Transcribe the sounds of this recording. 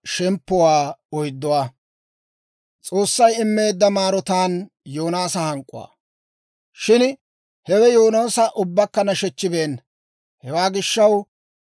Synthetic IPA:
ʃɛmpːʊwaːɔjd̪ːɔwaː | t͡sʼo̞ːsːɐjɪmːe̞ːd̪ːɐmaːɾɔt̪aːn | joːnaːsɐhɐŋkʼːʊ̰wa̰ː | ʃɪn | hɛwɛjoːnoːsɐʔʊbːɐkːɐnɐʃɛt͡ʃːɪbe̞ːn | hɛwaːɡɪʃːɐw

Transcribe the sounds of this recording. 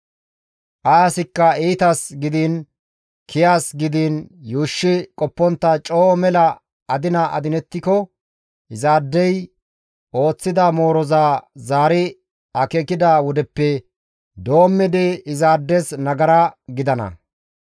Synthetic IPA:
ʔɐɐsɪkːɐiːt̪ɐsɡɪd̪iːn | kʰɪjaːsɡɪd̪injuːʃːɪkʼɔpːɔnt̪ːɐt͡ʃʼoːmɛlɐ | ɐd̪ɪnɐʔɐ̰d̪ɪnɛt̪ːɪkɔ | ʔɪzaːd̪ːɛj | ʔo̞ːt͡sːɪd̪ɐmo̞ːɾɔzaːzaːɾɪ | ɐkekɪd̪aːwɔd̪ɛpːɛ | d̪o̞ːmːɛd̪ɛɪzaːd̪ːɛsnɐɡɐɾɐɡɪd̪ɐnɐ̰

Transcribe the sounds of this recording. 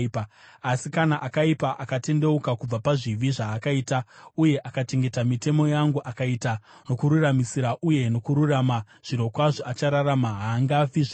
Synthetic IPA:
paasikanaʔakaipaʔakate̞nde̞ukakub͡vapaʐiʋiʐaːkaiːtauje̞ʔakat͡ʃe̞ŋɡe̞tamite̞mo̞jaŋɡuʔakaita | no̞kuɾuramisiɾaʔuje̞no̞kuɾurama | ʐ̥iɾo̞kwaʐoat͡ʃaɾaɾamaɦaːŋɡafiʐa

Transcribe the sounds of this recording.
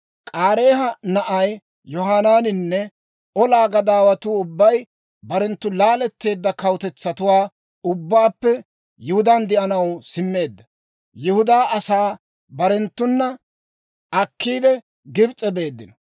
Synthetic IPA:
kʼaːɾe̞ːɦɐnɐʔɐj | jɔɦaːnaːnɪnːɛ | ʔɔlaːɡɐd̪aːwɐt̪uːʊbːɐj | bɐɾɛnt̪ːʊlaːlɛt̪ːe̞ːd̪ːɐkɐwt̪ɛt͡sːɐt̪ʊwaː | ʊbːaːpːɛ | jɪhʊd̪ɐnd̪ɪʔɐnɐwsɪmːe̞ːd̪ːɐ | jɪhʊd̪aːɐsaː | bɐɾɛnt̪ːʊnːɐ | ʔɐkːiːd̪ɛ | ɡɪbt͡sʼːɛbe̞ːd̪ːɪnɔ

